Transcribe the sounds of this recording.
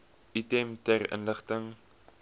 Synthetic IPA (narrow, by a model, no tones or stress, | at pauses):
itɛmtærə̰nləχtəŋ